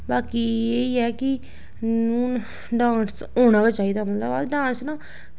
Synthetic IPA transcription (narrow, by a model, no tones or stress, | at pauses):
baːkiːeːiːɛːkɪ | nuː | ɖãːns | oːnãːɡaːt͡ʃaːiːd̪aːmət̪ləbə̰ɖãːnsnãː